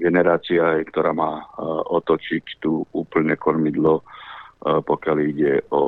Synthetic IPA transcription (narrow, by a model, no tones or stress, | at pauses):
ɡɛnɛɾaːt͡siakt̪ɔɾaːmaːɔt̪ɔt͡ʃict̪uuːpl̩ɲɛkɔɾmid̪lɔ | pɔkɪaliɟɛɔ